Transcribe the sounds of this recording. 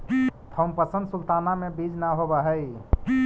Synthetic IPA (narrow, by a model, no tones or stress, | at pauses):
t̪ʰəmpəsə̃nd̪sult̪anamebid͡ʒnaɦobaɦəj